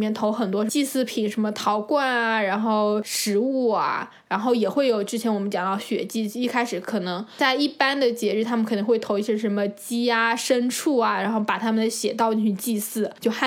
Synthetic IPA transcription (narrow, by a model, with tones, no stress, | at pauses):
mjɛ˥˩nt̪ʰo˧˥ʊxə˨˩nt̪̬wɔ˥ʂt͡ɕi˥˧sɹ̩˥˩pʰi˨˩ŋʂə˧˥nmə˧t̪ʰɑ˧˥ʊkwa˥˩na˩ɻa˧˥nxo˥˩ʊʂɻ̩˧˥u˥˩a̰˩ | ɻa˧˥nxo˥˩ʊjɛ˨˩xwe˥˩ɪjo˨˩ʊʈ͡ʂɻ̩˥t͡ɕʰjɛ˧˥nwɔ˨˩mə˦˥t͡ɕjɑ˨˩ŋt̪ɑ˥˩ʊɕɥɛ̰˨˩t͡ɕi˥˩˥i˥˩kʰa˥ɪʂɻ̩˧˥kʰɤ˨˩nɤ˧˥ŋt͡sa˥˧ɪi˥˩pa˥nd̪ə˨t͡ɕjɛ˧˥ɻ̩˥˩t̪ʰa˥mə˨kʰni˧˥ŋxwe˥˩ɪt̪ʰo˧˥ʊi˧˥˩ɕjɛ˥ʂə˧˥nmə˧t͡ɕi˥a˧˩ʂə˥nʈ͡ʂʰu˥˩ɐ˩ɻa˧˥nxo˥˩ʊpa˨˩t̪ʰa˥mə˨nə˧˩ɕjɛ̰˨˩t̪ɑ˥˧ʊt̪i˥˧ŋt͡ɕʰy˥nt͡ɕi˥˧sɹ̩˥˩t͡ɕjo˥˧ʊxa˥˩